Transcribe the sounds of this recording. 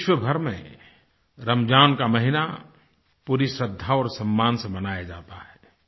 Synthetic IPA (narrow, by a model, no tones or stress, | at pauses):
ɪʃwəbʱəɾmḛ̃ | ɾəmd͡ʒaːnkaməɦina | puɾisɾəd̪ʱːaɔːɾsɐmːaːnsẽmɐnaːjad͡ʒa̰ːt̪aɦɛː